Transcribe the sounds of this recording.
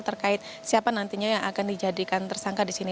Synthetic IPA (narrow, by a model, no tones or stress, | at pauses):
t̪ərkaɪt̪̚ | siapanant̪iɲajaŋakandid͡ʒadikant̪ərsaŋkadisini